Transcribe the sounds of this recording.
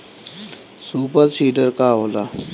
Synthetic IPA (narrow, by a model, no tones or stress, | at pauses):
suːpəɾsiːɖəɾkaːɦoːla